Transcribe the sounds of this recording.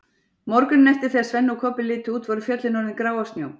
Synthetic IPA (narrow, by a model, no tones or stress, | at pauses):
mɔɾkʏnːɛht̪ɪ̥θɛsvɛnːukʰɔpɪlɪːt̪ʏuːt̪vɔɾʏfjœt̪lɪnɔnɪkɾaːwast̪njoːw